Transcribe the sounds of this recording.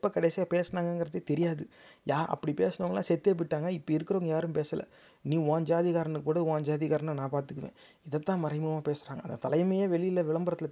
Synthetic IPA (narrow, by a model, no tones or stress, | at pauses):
pːɐkɐɽɛsijaːpeːsɐnaːŋɡɐŋɡɪɾɐt̪ːɐt̪ɛɾɪjaːðɯjaːɾʔɐ̰pːɐɽipeːsɐnɐʋɐŋɐlãːsɛt̪ːeːp̬ːɪʈːaːŋɡɐɪpːɐɪɾɯkːɯɾoːŋɡɐjaːɾɯmpeːsɐlɐ̰ | nĩːõːɲd͡ʒaːðɪɣaːɾɐnɯkkːuːɽɐõːɲd͡ʒaːðɪɣaːɾɐnanãːpaːɾt̪ɯkːɯʋḛ̃ː | ɪðɐt̪ːãːmɐɾɐɪmɐmaːpeːsɾaːŋɡɐnd̪ɐt̪ɐlɐɪmɐjeːʋɛɭɪɪlɐʋɪɭɐmbɐɾɐt̪ːɪl